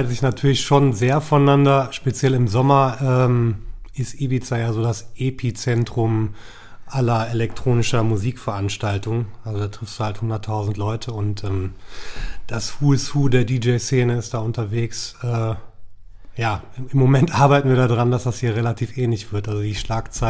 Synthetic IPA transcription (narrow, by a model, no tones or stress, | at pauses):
təzɪçnatʰyːɐlɪçʃoːnzeːɐfɔnnandɐʃpet͡sjɛlɪmzɔmɐʔɛːmʔɪstʔiːbit͡sajaːzoːdasʔeːpʰiːt͡sɛntʁ̥ʊm | ʔalɐelɛktʁ̥oːnɪʃɐmuziːkfɛɐʔanʃtaltʊŋʔalzodaːtʁ̥ɪfsd̥uhalthʊndɐtʰːaʊzn̩tlɔʏtʰəʊntʔɛːm | d̥ashuːɪshuːdeːɐdiːd͡ʒeɪseːnəɪst̚d̥aːʔʊntɐveːksɛː | jaː | ɪɪmːomɛntʔaɐbaɪtn̩viːɐdaːdʁandasd̥ashiːɐʁelatʰiːfʔɛːnlɪçv̥ɪɐtʔalzodiːʃlaːkt͡saɪ